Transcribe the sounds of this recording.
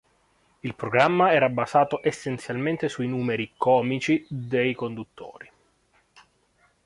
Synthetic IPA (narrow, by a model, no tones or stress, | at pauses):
ilpɾoɡɾamːaɛːɾabazaːt̪oʔesːent̪sjalment̪esuinuːmeɾikɔːmit͡ʃid̪ejkond̪ut̪ʰːo̰ːɾi